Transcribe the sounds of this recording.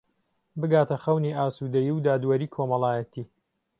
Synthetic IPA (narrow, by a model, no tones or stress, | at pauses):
bɨɡaːt̪ʰɐxɐwniːʔaːsud̪ɐjiwd̪aːd̪wɐɾiːkʰomɐlˠaːjɐt̪ʰiː